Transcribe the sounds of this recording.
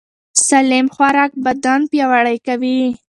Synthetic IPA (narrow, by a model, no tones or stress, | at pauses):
salimxwaɾɑk̚bad̪anpjɑwaɽəjkawi